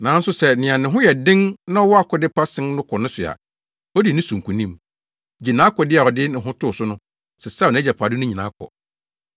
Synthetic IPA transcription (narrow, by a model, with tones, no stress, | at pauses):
nã˨n̩˦sʊ˦sɛ˦nɪ̃˨ã˨nɪ̃˨ɦʊ̃˦jɛ˨dɪ̃˦nnã˦ɔ˦wɔ˦a˨kʰɔ˨dɪ˦pa˦sɪ̃˦n˦nʊ̃˦kʰɔ˨nʊ̃˦sʊ˨a̰˨ | ɔ˦di˨nɪ̃˦sũ˨ŋ̩˨kʰũ˨nĩ˦m | d͡ʑi˨nã˦kʰɔ˨dɪ˦a˨ɔ˨dɪ˦nɪ̃˨ɦʊ̃˦tʰʊ˦˨sʊ˦nʊ̃˦ | sɛ˨sa˦˨ñ˨˦d͡ʑɛ˨pʰa˨dɪ˦nʊ̃˦ɲĩ˨nã̰˨˦kʰɔ̰˨